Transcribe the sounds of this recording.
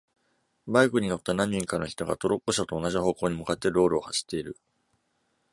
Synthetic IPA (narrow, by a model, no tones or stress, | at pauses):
baikɯ̟ɲ̟ino̞t̪ːanãɲ̟ːĩŋkano̞çi̥t̪o̞ɡa̰t̪o̞ɾo̞kːo̞ɕat̪o̞ːnaʑiho̞ːko̞ːɲ̟imɯ̟kat̪ːe̞ɾo̞ːɾɯːhaɕi̥t̪ːe̞iɾɯ̟